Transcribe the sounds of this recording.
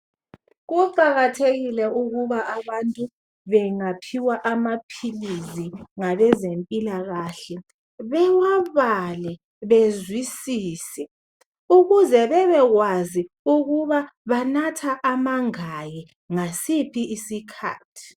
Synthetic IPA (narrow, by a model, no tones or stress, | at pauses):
ɣuǃaɣatʰeɣilɛuɣuβaʔaβantʼu | βɛŋapʰiwaʔamapʰiliziŋaβɛzempʼilaɣaːɬɛ | βɛwaβalɛ | βezwisiːsɛ | uɣuzɛβɛβɛɣwazi | uɣuβaβanatʰaʔamaŋajɛ | ŋasipʰiisikʰa̰ːtʰi̥